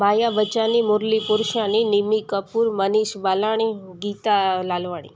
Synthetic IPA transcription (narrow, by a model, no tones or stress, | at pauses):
majaʋət͡ʃanimoɾlipuɾʃaninimikəpuɾməniʃbalaɽ̃iɡit̪alalʋaɽ̃ḭ